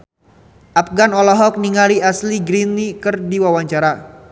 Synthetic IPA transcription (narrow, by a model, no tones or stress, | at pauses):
ʔap̚ɡanɔlɔɦɔk̚niŋaliasliɡɾinːikɨrdiwawaɲt͡ʃaɾa